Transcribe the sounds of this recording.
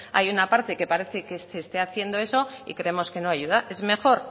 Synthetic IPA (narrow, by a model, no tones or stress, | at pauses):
a̰junapaɾt̪e̞ke̞paɾe̞θe̞kesest̪e̞aθje̞nd̪o̞e̞so̞ḭkɾe̞emo̞ske̞noaʝuðaʔe̞zme̞xo̞ɾ